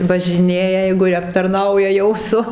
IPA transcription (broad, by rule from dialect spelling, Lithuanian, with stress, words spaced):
ʋɐʒʲɪˈnʲeːjɛ ˈjɛɪɡʊ ˈjɪ ɐptɐrˈnɐʊjɛ ˈjɛʊ sʊ